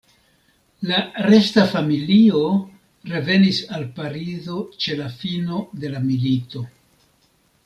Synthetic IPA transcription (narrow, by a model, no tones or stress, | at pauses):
laɾe̞stafamilio̞ | ɾe̞ve̞nisalpaɾizo̞t͡ʃe̞lafino̞de̞lamilito̞